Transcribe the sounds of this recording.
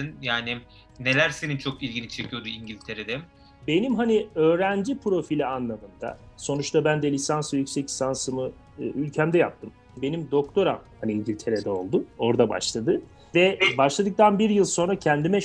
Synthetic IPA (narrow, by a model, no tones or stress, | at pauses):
ɯnjaːni | ne̞lʲæɾse̞nint͡ʃʰo̞kilʲɟinit͡ʃʰecʰijo̞d̪uiɲɟilʲt̪ʰe̞ɾed̪ɛm | be̞nimɦaniø̞ːɾænd͡ʒipʰɾo̞filʲianlˠad̪ɯmd̪a̰so̞nut͡ʃt̪ʰabænd̪ɛlʲisansɯjycʲsɛclʲi̥sansɯmɯ | ylʲcʰæmd̪ɛjap̚t̪ʰɯm | be̞nimd̪o̞kt̪ʰo̞ɾamhaniiɲɟilʲt̪ʰe̞ɾed̪ɛo̞lˠd̪ʊo̞ɾd̪aba̰ʃlˠad̪ɯ | vɛbaʃlˠad̪ɯk̚t̪ʰanbiɾjɯlˠso̞nɾacʰɛnd̪imɛ